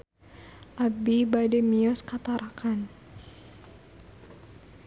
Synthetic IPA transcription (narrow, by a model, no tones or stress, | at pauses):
ʔabibadɛmiɔskat̪aɾʔakan